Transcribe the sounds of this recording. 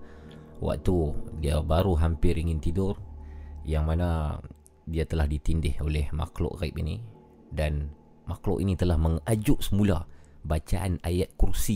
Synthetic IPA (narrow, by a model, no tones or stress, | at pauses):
wa̰k̚t̪udiabaɾuɦampɪɾiŋɪnt̪idʊrjaŋmana | diat̪əlahdit̪indɪholɛhma̰klɔ̰ʔɡaipḭni | dan | maklɔ̰ʔinit̪əlahməŋad͡ʒʊʔsəmula | bat͡ʃaʔanajat̪̚kursi